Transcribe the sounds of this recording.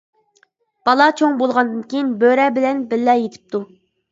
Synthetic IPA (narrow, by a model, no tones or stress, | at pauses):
b̥ɑlˠɑt͡ʃʰoŋbolˠʁɑnd̪ɨnkʲʰejinbøɾɛbɪlɛnbɪlːɛjet̪ʰɪ̥p̚t̪ʰu